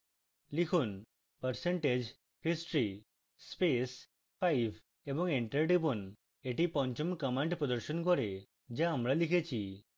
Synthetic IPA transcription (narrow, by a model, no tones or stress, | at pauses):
likʰun | pəɾseɳʈed͡ʒ | hisʈɾi | spes | pʰajbʱ | ebɔŋeɳʈeɾʈipɔn | eʈipɔɲt͡ʃɔmkəmaɳʈpɾɔd̪əɾʃɔnkɔɾe | d͡ʒaːmɾalikʰet͡ʃʰi